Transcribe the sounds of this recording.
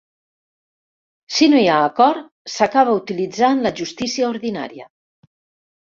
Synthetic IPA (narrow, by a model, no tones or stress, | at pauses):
sinoiaːkɔɾ | sakaβaut̪ilid͡zanlaʒust̪isiaoɾðina̰ɾja̰